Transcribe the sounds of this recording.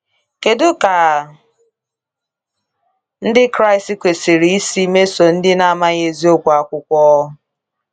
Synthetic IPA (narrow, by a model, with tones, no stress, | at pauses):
ke˨dʊ˦ka˨ | n̩˦dɪ˦kɾa˦ɪ˨sti˦kʷe˨si˨ɾi˨i˦si˦me˦so˨n̩˦dɪ˦na˨ma˦ɣe˨zi˦o˦kʷa˨kʷʊ˦kʷɔ˦